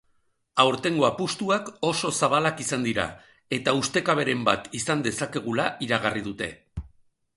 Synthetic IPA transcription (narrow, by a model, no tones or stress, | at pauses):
awɾt̪e̞ŋɡo̞apust̪uako̞so̞saβalakisand̪iɾa̰ | e̞t̪aust̪ekaβ̞e̞ɾe̞mba̰t̪isand̪e̞sake̞ɣ̞ulaʔiɾaɣ̞arið̞ut̪e̞̰